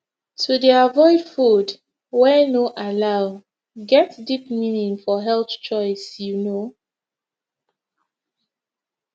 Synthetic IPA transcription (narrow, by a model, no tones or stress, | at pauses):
tʰudiavɔɪdfud | wɛnoʔalaʊ | ɡɛtdipminĩŋfɔɦɛlθt͡ʃɔɪsjuno